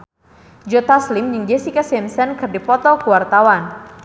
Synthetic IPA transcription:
d͡ʒɔt̪aslɪmjɨŋd͡ʒesikasɛmsɛnkɨrdipɔt̪ɔkuwart̪awan

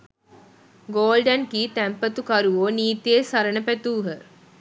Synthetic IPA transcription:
ɡoːlɖənkiːt̪æmpət̪ukaɾuoniːt̪ijesaɾənəpæt̪uːɦə

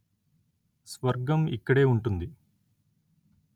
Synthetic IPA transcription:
sʋɐɾɡɐmḭkːɐɽe̞ːuɳʈund̪i

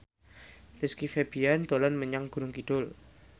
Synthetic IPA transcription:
dɪskifebiant̪olanməɲaŋɡ̥ṳɾʊŋkid̥ʊl

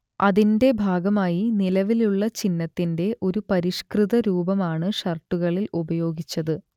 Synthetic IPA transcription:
ɐðinde̞bʱaːɡɐmaːjinilɐʋiluɭːɐt͡ɕinːɐt̪ːinde̞ʔo̞ɾupɐɾiʂkrɨðɐɾuːbɐmaːɳɨʂɐrʈːuɣɐɭilubɐjo̞ːɡit͡ɕːɐðɨ

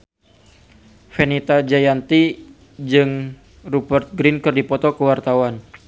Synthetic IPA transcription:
fɛnit̪ad͡ʒajant̪i | d͡ʒɨŋ | rubərt̪̚ɡɾɪnkɨrdipɔt̪ɔkəwart̪awan

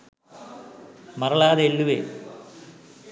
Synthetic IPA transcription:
mɐrɐɭaːðeelːuʋḛ

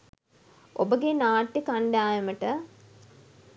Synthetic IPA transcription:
obəɡenaːʈːikaɳɖaːjɐməʈə

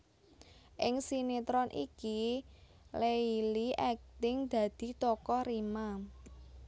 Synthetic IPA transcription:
ʔɪŋsinit̪ɾɔnʔḭki | leiliʔɛk̚t̪ɪŋd̪̥ä̤d̪̥i̤t̪ɔkɔrima

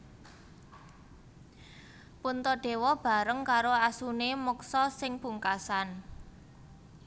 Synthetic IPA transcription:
punt̪ɔd̥e̤wɔb̥a̤ɾəŋkaɾoasunemɔksɔsɪŋb̥uŋkasan

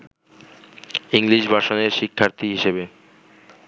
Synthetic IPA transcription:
iŋliʃbʱaʃoneɾʃikʰːaɾt̪iɦiʃebe

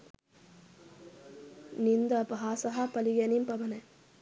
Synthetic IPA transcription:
nind̪ɐpɐɦaːsɐɦapɐlijɐnimpɐbɐnɐ

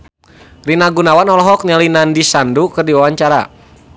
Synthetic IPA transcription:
rinaɡunawanɔlɔɦɔk̚ɲalinandisandukɨrdiwawaɲt͡ʃaɾa̰

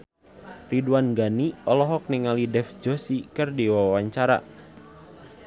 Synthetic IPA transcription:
riduwanɡaniɔlɔɦɔk̚niŋalidɛfd͡ʒosikərdiwawaɲt͡ʃaɾa̰

